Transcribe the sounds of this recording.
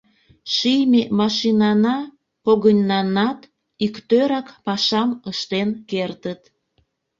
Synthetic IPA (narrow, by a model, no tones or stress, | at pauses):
ʃijmemɑʃinɑnɑ | poɣənʲːɑnɑt̪ | ikt̪øɾɑkpɑʃɑməʃt̪enkert̪ət̪